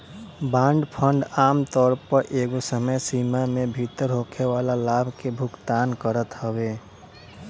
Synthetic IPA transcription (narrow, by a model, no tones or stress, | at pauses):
bãːɳɖpʰə̃ɳɖaːmt̪ɔːɾpəɾʔeɡosəməjsimamebʱit̪əɾɦokʰewalalabʱkebʱʊkt̪aːnkəɾət̪həbe